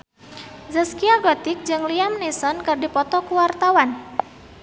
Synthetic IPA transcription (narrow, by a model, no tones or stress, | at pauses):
zəskiaɡɔt̪ɪk̚d͡ʒɨŋliamnisɔnkɨrdipɔt̪ɔkuwart̪awan